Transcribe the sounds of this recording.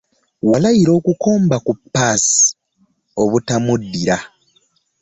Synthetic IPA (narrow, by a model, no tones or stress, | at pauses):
walajiɾo̞ːkuko̞ːmbakupːaːsi̥ | o̞βutamudːiɾa